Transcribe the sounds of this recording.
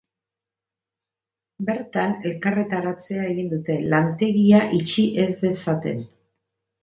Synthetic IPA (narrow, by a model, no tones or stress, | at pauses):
be̞ɾt̪ane̞lkaret̪aɾat͡se̞ae̞ɣind̪ut̪e̞lant̪e̞ɣiaʔit͡ʃiʔe̞zðe̞sat̪e̞̰n